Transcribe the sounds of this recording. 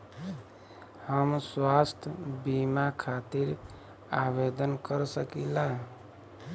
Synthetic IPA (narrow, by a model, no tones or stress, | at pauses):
həmswast̪ʰbimakʰat̪iɾ | abed̪ənkəɾsəkilaɦ